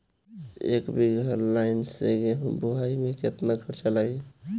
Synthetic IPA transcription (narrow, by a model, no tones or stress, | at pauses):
ḛkbiɡʱəɾlaɪnseɡeɦbuɦaimẽket̪nakʰəɾt͡ʃalai